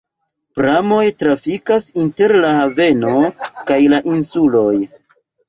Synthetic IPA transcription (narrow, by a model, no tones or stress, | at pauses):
pɾamo̞jtɾafikasinte̞ɾlahave̞no̞kajlaʔinsulo̞j